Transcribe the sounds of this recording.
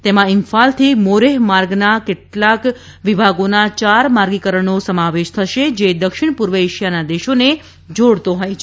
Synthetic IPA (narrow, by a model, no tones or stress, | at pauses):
t̪emãɪŋfalt̪ʰimoɾeɦmaɾɡnakeʈlak | ʋibʱaɡonat͡ʃaɾmaɾɡikəɾəɳnosəmaʋeʃt̪ʰəʃed͡ʒed̪əkʃɪɳ̃puɾʋəeʃijanad̪eʃone | d͡ʒoɽt̪oɦojt͡ʃʰ